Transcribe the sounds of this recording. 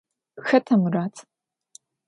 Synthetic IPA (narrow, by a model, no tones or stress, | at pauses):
xɐtʰɐmraːtʰ